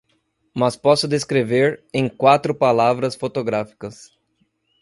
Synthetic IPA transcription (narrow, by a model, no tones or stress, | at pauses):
mɐspɔsʊd̪eskɾeveɾẽj̃kwat̪ɾʊpalavɾɐsfot̪oɡɾafi̥kɐs